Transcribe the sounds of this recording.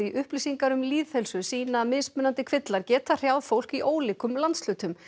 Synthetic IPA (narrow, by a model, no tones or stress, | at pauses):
iʔʏhplisiŋkaɾʏmliːðθhɛlsʏsiːnamɪsmʏnant̪ɪkʰvɪt̪laɾ̥cɛːt̪ar̥jawðfowl̥kiʔoːwlɪːkʏmlant̪sl̥ʏːt̪ʏm